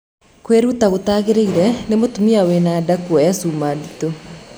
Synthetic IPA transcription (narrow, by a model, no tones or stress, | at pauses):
kweɾutaɣotaːɣeɾeiɾɛnemotumiawenaːdakuɔjasuːmadito